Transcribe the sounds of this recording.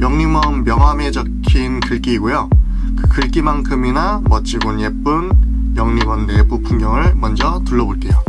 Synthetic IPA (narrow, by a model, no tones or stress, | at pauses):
jʌŋɲimʌnbjʌŋɦwame̞d͡ʑʌkʰinkɯɭk͈iːɡojo | kɯkɯɭk͈imankʰɯminamʌt͡ɕ͈iɡonjep͈ɯn | jʌŋɲimʌnːe̞bupʰuŋɲjʌŋɯɭmʌnd͡ʑʌtuɭːʌboɭt͈e̞jo